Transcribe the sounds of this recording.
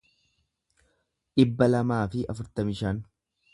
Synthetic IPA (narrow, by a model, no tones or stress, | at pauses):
ᶑɪbːɐlɐmaːfɪʔɐfʊɾt̪ɐmɪʃɐn